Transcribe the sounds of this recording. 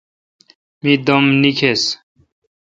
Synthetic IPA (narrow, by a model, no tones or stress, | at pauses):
mid̪omnikʰes